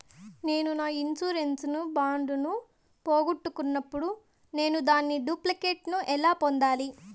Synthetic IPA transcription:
ne̞ːnunaːinsuːɾe̞nsnubaːɳɖunu | poːɡuʈːukunːɐpːuɽu | ne̞ːnud̪aːnːiɖuːplɐkeːʈnuʔɛlaːpond̪aːli

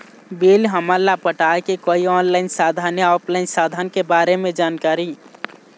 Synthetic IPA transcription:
biːlɦəmalapəʈaːekekoːiɔːnlaːɪnsaːd̪ʱaːnjaɔːpʰlaːɪnsaːd̪ʱənkebaːɾemẽd͡ʒaːnkaːɾi

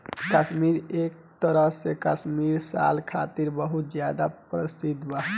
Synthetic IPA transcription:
kəsmiɾek̚t̪əɾəɦsekəsmiɾsa̰lkʰat̪iɾbəɦut̪d͡ʒjad̪apɾəsid̪bəɦ

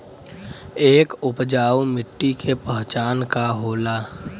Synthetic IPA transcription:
eːkʊpd͡ʒaːwmɪʈːikʰepəɦt͡ʃaːnkaɦoːlaː

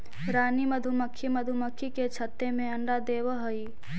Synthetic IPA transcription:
ɾaːniməd̪ʱuməkʰːiməd̪ʱuməkʰːiket͡ʃʰət̪ːemẽɐɳɖad̪eːʋɦəi

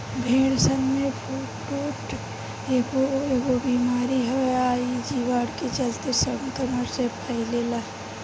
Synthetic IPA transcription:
bʱẽːɽsənmepʰuː | ʈoːʈ | eɡoeɡobiːmaːɾiɦɛaːid͡ʒiːʋaːɽket͡ʃəlt̪esəmt̪əməɾsepʰaileːla

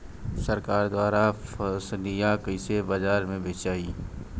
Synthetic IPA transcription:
sɐɾkaːɾd̪waːɾafəslijakəɪsebazaːɾmẽbeːt͡ʃaːiː

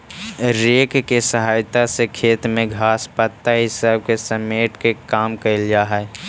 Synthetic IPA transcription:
ɾeːkkesəɦaːjt̪asekʰeːt̪mẽɡʱaːspət̪ːaɦɪsaːb̚kesəmeːʈkekaːmkəɪld͡ʒaːɦɛ

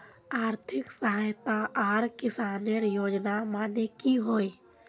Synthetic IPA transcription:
aːɾt̪ʰɪksəɦaːjt̪aʔaːɾkɪsaːneɾjoːd͡ʒnamaːnekiɦoːi

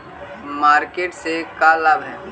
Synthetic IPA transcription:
maːɾkeːʈsekalɐbɦɛː

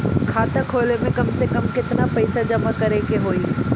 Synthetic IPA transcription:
kʰaːt̪akʰoːlemẽkɐmsekɐmkɪt̪napɐɪsad͡ʒɐmakɐɾeːkeɦoːi

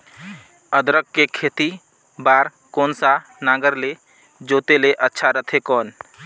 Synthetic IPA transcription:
əd̪ɾəkːekʰeːt̪i | baːɾ | kɔːnsanaːɡəɾle | d͡ʒoːt̪eleʔətːʃʰaɾət̪ʰekɔːn

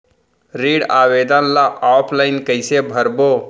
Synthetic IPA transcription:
ɾiːɖaːʋeːd̪anlaʔaːpʰlaːɪnkəɪsebʱəɾboː

